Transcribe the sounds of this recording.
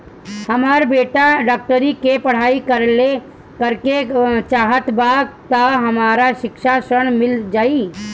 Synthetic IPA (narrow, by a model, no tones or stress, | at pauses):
hɐmaːɾbeːʈaɖaːk̚ʈəɾikepɐɽ̤aːikəɾle | kəɾket͡ʃaːɦət̪baːɡ̚t̪ɐɦɐmaːɾaʃɪkʃasəɽ̃mɪld͡ʒaːi